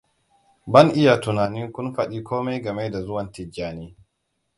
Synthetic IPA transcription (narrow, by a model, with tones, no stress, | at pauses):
bɐ˦nʔɪ˦ja˨tʊ˨naː˨nɪ˦ŋkʷʊ˦nɸɐ˨ɗiː˦kʷoː˦ma˦jɡɐ˨me˦da˨zʊ˦wɐ˨ntɪ˨d͡ʒaː˨niː˦